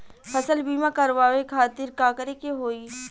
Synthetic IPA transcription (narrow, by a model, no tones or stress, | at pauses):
pʰɐsəlbiːmãkɐɾʋaːʋekʰaːt̪ɪɾkaːkəɾekeɦoːi